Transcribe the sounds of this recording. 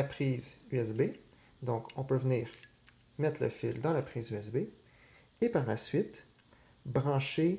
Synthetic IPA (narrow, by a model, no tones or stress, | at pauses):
lapχiːzyɛsbe | d̪ɔ̃kʰɔ̃pøvniːʁ | mɛt̪ʰlə̰fɪld̪ɑ̃lapχiːzyɛsbe | epaʁlasɥɪt̪ | bʁɑ̃ʃe